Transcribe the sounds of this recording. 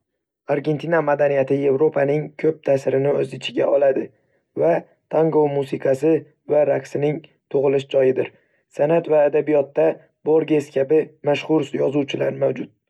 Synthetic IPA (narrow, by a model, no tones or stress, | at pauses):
aɾɡʲe̞nt̪ʰinamad̪anijat̪ʰɪje̞vɾo̞pʰanɪŋkʲʰɵp̚t̪ʰasɪɾɪnɪɵzɪt͡ʃʰɪɡʲaʔɒlad̪ɪ | va | t̪ʰaŋɡowmusɪqʰɑsɪ | vaɾaksɪnɪŋ | t̪ʰʊʁɨlɪʃd͡ʒɒjɪd̪ɪɾ | sanat̪vaːd̪abijɒt̪ːa | bo̞ɾɡʲe̞skʲʰabɪmaʃχʊɾsjɒzuwt͡ʃʰɪlaɾmawd͡ʒʊt̪̚